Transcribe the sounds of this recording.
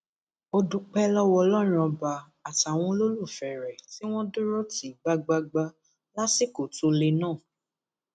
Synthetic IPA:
o˧du˧k͡pɛ˦lɔ˦˧wɔ˧lɔ˦ɾ̃ɔ̃˧ba˧ | a˨ta˨w̃ɔ̃˧lo˦lu˦˨fɛ˨ɾɛ˨ti˦w̃ɔ̃˦du˦ɾo˦ti˨˦˨ɡ͡ba˧ɡ͡ba˧ɡ͡ba˧ | la˦si˦˨ko˨to˧le˧nãː˦˨

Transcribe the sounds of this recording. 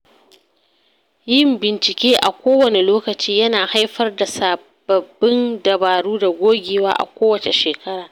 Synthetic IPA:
jɪ˦mbɪ˨nt͡ʃɪ˨kʲeː˦ʔa̰˨kʷoː˦wɐ˨ne˨loː˦kɐ˨t͡ʃiː˦jɐ˦naː˨ha˦jɸɐ˦rda˨saː˨ | bɐ˨bːɪ˦ndɐ˨baː˨ɽuː˦da˨ɡʷoː˦ɡʲeː˨wa̰ː˦ʔa̰˨kʷoː˦wɐ˨t͡ʃe˨ʃeː˨kɐ˦ɽaː˨

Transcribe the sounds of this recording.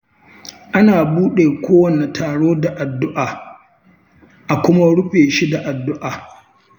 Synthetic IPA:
ʔa˦naː˨buː˦ɗeː˨kʷʰoː˦wɐ˨ne˨tʰaː˨ɽoː˦da˨ʔa˨dːʊ˦ʔaː˨ | ʔa˨kʷʊ˦ma˦ɽʊ˦ɸeː˨ʃi˦da˨ʔa˨dːʊ˦ʔaː˨

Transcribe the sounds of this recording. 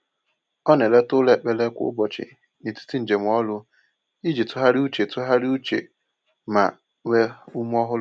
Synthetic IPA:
ɔ˦nɛ˨lɛ˦tʊ˦lɛ˦˨k͡pɛ˦lɛ˦kʷʊ̰˦bɔ˨t͡ʃʰɪ̰˨ | ni˨tʰu̥˦tʰi˦n̩˨d͡ʒe˨mʊ̃˨˦ɔ˦lʊ˦ | i˦d͡ʒi˨tʰʊ˦ɦa˦ɾi˦u˦t͡ʃe˨tʰʊ˦ɦa˦ɾi˦u˦t͡ʃʰḛ˨ | mã̰˨ | wɛ˦u˦mu˦ɔ˦ɦʊ˦

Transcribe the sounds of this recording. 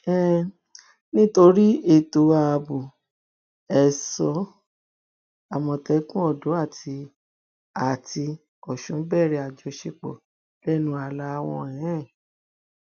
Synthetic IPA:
ɛ˦˨ | nĩ˦to˧ɾi˦e˦˨to˨wa˧˨˧bu˨ | ɛ˨sɔ˧˦ | a˨mɔ̃˧˨tɛ˨˦kũ˦ɔ˦˨do˨˦a˦˨tʰi˧ | a˨tʰi˧ | ɔ˨ʃũ˨˦bɛ˦˨ɾɛ˧a˨d͡ʒɔ˧˦ʃe˧k͡pɔ̰˨ | lɛ˦nũ˦a˧la˧˦˧w̃ɔ̃˧ɛ̃˨˦ɛ̃˦˨

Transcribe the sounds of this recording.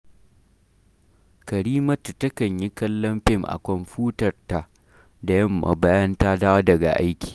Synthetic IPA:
kɐ˨ɾiː˦mɐ˦ttɐ˦kɐ˨ɲji˦kɐ˦lːɐ˦mɸɪ˦ŋʔa̰˨kʷɔ˨mɸuː˦tɐ˨rta˨ | da˨jɐ˦mːa̰˨ba˦jɐ˦nta˦daː˦wdɐ˨ɡa̰˨ʔa˦jkʲi̥ː˨

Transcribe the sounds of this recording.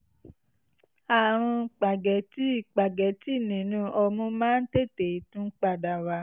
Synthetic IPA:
a˨ɾ̃ɔ̃˧k͡pa˨ɡɛ˨˦ti˦i˦˨k͡pa˨ɡɛ˨˦ti˦˨nĩ˨nũ˨˧˦ʔɔ˧mũ˦mãː˦n̩˦te˦˨te˨i˨tũ˦k͡pa˧˨da˨wa˨˦

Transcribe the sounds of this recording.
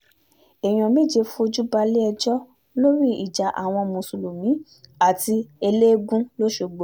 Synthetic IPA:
e˨j̃ɔ̃˨mẽ˦˨d͡ʒe˧fũ˦o˧d͡ʒu˦ba˧le˦ɛ˧d͡ʒɔ˦ | lo˦ɾi˦i˦˨d͡ʒa˨ʔa̰˨w̃ɔ̃˧mũ˨su˨lu˨mĩ˨˦ | a˦˨ti˧e˧le˦ɡũ˦lo˦ʃo˨˧˨ɡ͡bo˨

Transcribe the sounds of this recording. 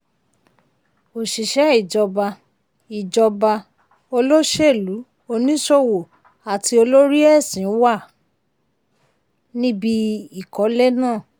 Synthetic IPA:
o˨ʃi˨ʃɛ˨˦i˦˨d͡ʒɔ˧ba˧ | i˨d͡ʒɔ˧ba˧ | o˧lo˦ʃe˦˨lu˨˦ | o˧nĩ˦ʃo˦wo˨ | a˨ti˧o˧lo˦ɾi˦ɛ˦˨sĩ˨˦wa˦˨ | nĩ˦bi˧i˨kɔ˨˦lɛ˦nãː˦˨

